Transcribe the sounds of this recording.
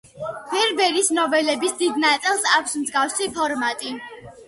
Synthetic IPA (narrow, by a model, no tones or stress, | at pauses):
bɛɾbɛɾisnɔvɛlɛbisd̪id̪nat̪sʼilˠsakʷʰsmzɡafsipʰɔɾmat̪ʼi